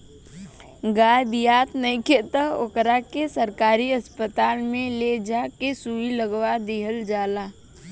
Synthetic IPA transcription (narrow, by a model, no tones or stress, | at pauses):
ɡaːjbijaːt̪nəĩket̪əɦokɾakesəɾkaːɾiɐspət̪aːlmẽled͡ʒaːkesuiləɡwad̪iːɦəld͡ʒaːlaː